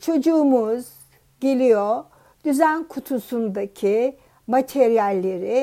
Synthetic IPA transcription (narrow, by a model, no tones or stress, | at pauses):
t͡ʃʰo̞d͡ʒuːmuz̥ | ɟelʲijo | d̪̥yzænkʰut̪ʰusund̪acʰi | mat̪ʰɛɾjælʲːe̞ɾi